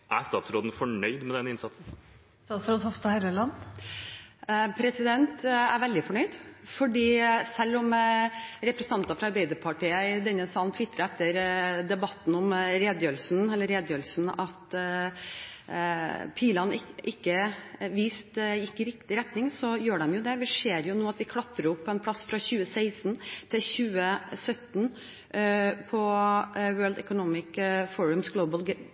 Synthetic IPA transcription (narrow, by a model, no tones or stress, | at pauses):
ʔæ̰ɾst̪ɑːt̪sɾoːd̪n̩fɔɳœʏd̪mɛd̪ɛnːəɪnsɑt̪sn̩ | st̪ɑːt̪sfɾɑnhɔfst̪ɑheɪləlɑnː | pʰɾɛsɪd̪ɛnt̪æ̰ɾʋɛld̪ɪfɔɳœʏd̪fɔɖiːsɛlːɔm | ɾɛpɾɛsən̩ɑnt̪ɑfɾɑɾbæɪd̪əpʰɑʈiːəd̪ɛnːəsɑːlnt̪ʰʋɪt̪ʰːɾəɛt̪ːəɾd̪ɛbɑt̪ːn̩ɔmɾeːd̪jølsnɛlːəɾeːd̪jølsn̩ɑt̪ | pʰiːlɑnɪʔɪkːəʋiːst̪jɪkːəɾɪkt̪ɪɾɛt̪nɪŋsɔjøːɖɛmjʊd̪ɛʋɪʂeːɾjʊnuːɑt̪ʋɪkʰlɑt̪ːɾəɾʊpʰːɔɛnpʰlɑsːfɾɑçʉːəseɪsn̩t̪ʰɪlçʉːəsœt̪n | pʰɔwøːɭd̪ɛ̰kʊnɔmɪkfɔɹʉmsɡloʊbəlɡ